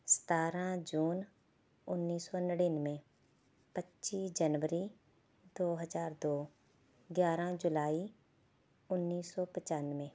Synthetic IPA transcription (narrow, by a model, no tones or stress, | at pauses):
sə̥t̪aːɾãːd͡ʒuːn | ʊnːiːsɔːnəɽiːnmẽ | pətːʃiːsd͡ʒənʋəɾi | d̪oːɦəzaːɾd̪oː | ɡjaːɾãd͡ʒʊlaːi | ʊnːiːsːɔːpət͡ʃaːnmẽː